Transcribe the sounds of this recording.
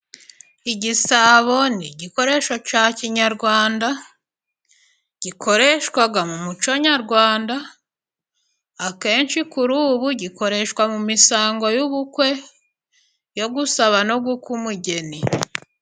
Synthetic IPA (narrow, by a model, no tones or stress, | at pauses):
iɟisaβo̞niɟiko̞ɾe̞ʃo̞caːciɲaɾɡwaːnda | ɟ̥ikʰo̞ɾe̞ʃwaɡamumut͡ʃo̞ɲaɾɡwaːnda | keːnʃikuɾuːβuɟiko̞ɾe̞ʃkwamumisaːŋɡo̞juβukwe̞ | jo̞ɡusaβano̞ɡukumuɟe̞ni